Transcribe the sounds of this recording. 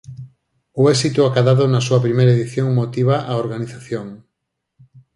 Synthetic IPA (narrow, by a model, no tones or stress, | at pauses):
ʊɛsit̪ʊakaðaðʊnɐsuɐpɾimejɾaeðiθjoŋmot̪iβaʔaoɾɣaniθaθjoŋ